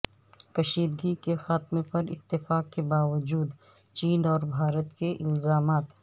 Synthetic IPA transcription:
kɐʃiːd̪ɡikexaːt̪mẽpɐɾɪ̰t̪ːɪfaːkkebaːʋəd͡ʒuːd̪ | t͡ʃiːnɔːɾbʱaːɾət̪keʔɪlzaːmaːt̪

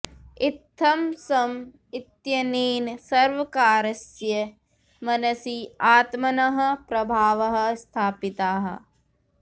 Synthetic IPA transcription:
it̪ʰːɐmsɐm | it̪jɐniːnsɐɾʋɐkaːɾɐsjɐ | mɐnɐsiaːt̪mɐnɐɦɐ̆pɾɐbʱaːʋɐɦɐ̆st̪ʰaːpit̪aːɦɐ̰̆

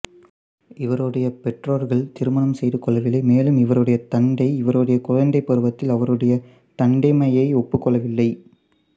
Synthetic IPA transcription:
ɪʋɐɾɯɽɐjɐpɛʈroːɾɣɐɭt̪ɪɾɯmɐnɐmsɛjðɯkːɔɭɐɣɐɭɐɪmeːlɯmɪʋɐɾɯɽɐjɐt̪ɐɳɖɐɪɪʋɐɾɔɽɐjɐkɔɻɐnd̪ɐɪpːɐɾɯʋɐt̪ːɪlɐʋɐɾɯɽɐjɐ | t̪ɐɳɖɐɪmɐjɐɪɔpːɯkːɔɭɐʋɪlːɐɪ

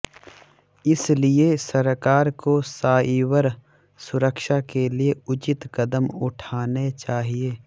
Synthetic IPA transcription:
ɪsliesɐɾkaːɾkosaːiːwəɾ | sʊɾəkʃakelieʊt͡ʃɪt̪kɐd̪əmʊʈʰaːnet͡ʃaːɦieː

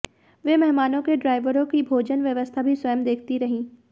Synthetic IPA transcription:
ʋemɛɦmaːnõkeɖɾaːɪʋəɾõkibʱoːd͡ʒənʋjəʋəst̪ʰabʱiswɐjəmd̪eːkʰt̪iɾɐɦĩː

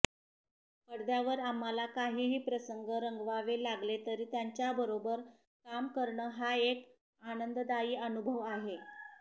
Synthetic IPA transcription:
pəɽd̪jaʋəɾamːalakaɦiːɦiːpɾəsəŋɡəɾəŋɡʋaʋelaɡlet̪əɾiːt̪jaɲt͡ɕjabəɾobəɾ | kamkəɾɳəɦaek | anənd̪d̪aiːənubʱəʋaɦe

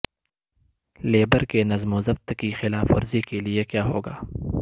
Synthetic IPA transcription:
leːbəɾkenɐzmozɐft̪kixɪlaːfo̰ɾzikeliekjaːɦoːɡaː

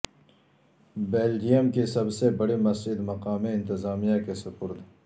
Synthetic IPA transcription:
beːld͡ʒijəmkisɐbsebɐɽimɐsd͡ʒɪd̪mɐqaːmẽɪ̃nt̪ɪzaːmijakesɐpʊɾd̪ʱ

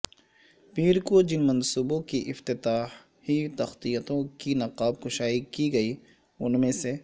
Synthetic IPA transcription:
piːɾkod͡ʒɪnmɐ̃nsuːbõkiʔɪft̪ɪt̪aːh | hit̪ɐxt̪ijət̪õkinɐqaːb̚kʊʃaːikiɡɐi | ʊnmẽse

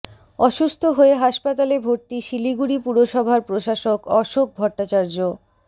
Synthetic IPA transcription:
ɔʃust̪ʰoɦoeɦaʃpat̪alebʱoɾt̪iʃiliɡuɽipuɾoʃɔbʱaɾpɾoʃaʃokɔʃok̚bʱɔʈːat͡ɕaɾd͡ʑo

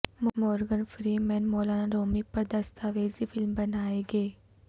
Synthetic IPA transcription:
mmɔːɾɡənfɾiːmɛːnmoːlaːnaɾoːmipəɾd̪əst̪aːʋeːziːfʰɪlmbənaːeɡeː

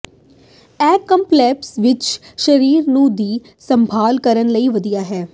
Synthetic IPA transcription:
ɛːkə̃mplɛːpsʋɪt͡ʃʃəɾiːɾnũːd̪iː | səmbʱaːlkəɾənləiːʋəd̪ijaːɦɛː

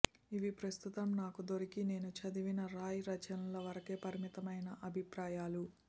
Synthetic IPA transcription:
iʋipɾɐst̪ut̪ɐmnaːkud̪oɾikine̞ːnut͡ʃɐd̪iʋinɐɾaːjiɾɐt͡ʃɐnɐlɐʋɐɾɐkeːpɐɾimit̪ɐmɐjnɐʔɐbʱipɾaːjaːlu

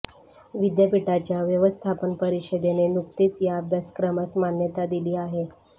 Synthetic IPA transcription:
ʋid̪jəpiʈat͡ɕjaʋjəʋəst̪ʰapənpəɾiɕəd̪enenuk̚t̪iːt͡sjab̪əskɾəməsmanjət̪ad̪iliːaɦe

